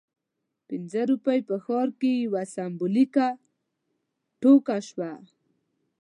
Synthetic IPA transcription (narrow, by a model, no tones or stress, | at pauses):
pɪnzəɾupajpəxɔɾkewasambʊlika | ʈokaʃwa